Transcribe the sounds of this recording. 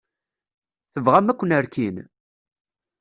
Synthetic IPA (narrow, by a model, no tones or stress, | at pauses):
θəvʁæmækʷːənəɾkin